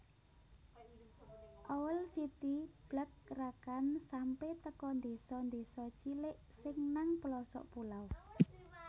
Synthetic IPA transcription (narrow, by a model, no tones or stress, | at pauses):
ʔɔwəlsit̪ib̥ləkːrakansampeht̪əkɔnd̪esɔnd̪esɔt͡ʃilɪʔ | sɪŋnaŋpəlɔsɔ̰ʔpulaw